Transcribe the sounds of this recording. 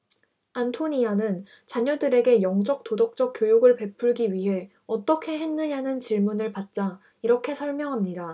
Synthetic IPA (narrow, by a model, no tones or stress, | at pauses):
antʰoɲianɯn | t͡ɕaɲʌdɯɾe̞ɡe̞jʌŋd͡ʑʌk̚t͈odʌk̚t͡ɕ͈ʌk̚k͈jojoɡɯɭpe̞pʰuɭɡiɥiɦe̞ | ʌt͈ʌkʰe̞ɦe̞nːɯɲanɯnt͡ɕiɭmunɯɭpat̚t͡ɕ͈a | iɾʌkʰe̞sʰʌɭmjʌŋɦamɲida